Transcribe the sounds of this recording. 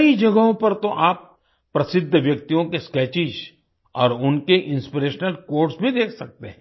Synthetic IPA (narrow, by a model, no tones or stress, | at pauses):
ɐid͡ʒɐɡəɦõpɐɾt̪oʔaːpː | ɾɐsɪd̪ʱːʋjɐkt̪ijõkeskɛːt͡ʃɪʃ | ɔːɾʊnkeʔɪ̃nspiɾeːʃnəlkoːɾʈsbʱid̪eːkʰsɐk̚t̪eɦɛ̃ː